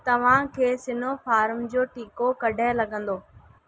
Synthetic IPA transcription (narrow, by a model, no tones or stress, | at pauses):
t̪ɐʋ̤ãkʰeːsɪnofaːɾmd͡ʑoːʈiːkokɐɖʱaɪlɐɠə̃nd̪oː